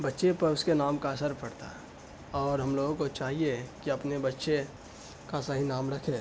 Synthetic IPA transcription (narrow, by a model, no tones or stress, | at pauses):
bɐtːʃepɐɾʊskenaːmkaɐsəɾpɐɽt̪a̰ | ɔːɾɦɐmloːɡõkot͡ʃaːɦiekiɐpnebɐtːʃe | kasaɦinaːmɾɐkʰẽː